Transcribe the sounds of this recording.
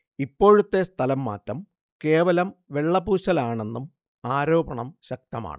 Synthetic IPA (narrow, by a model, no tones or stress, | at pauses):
ipːo̞ːɻut̪ːe̞st̪ʰɐlɐmːa̰ːtːɐm | ke̞ːʋɐlɐmʋe̞ɭːɐbuːɕɐlaːɳe̞nːum | aːɾo̞ːbɐɳɐmɕɐk̚t̪ɐma̰ːɳɨ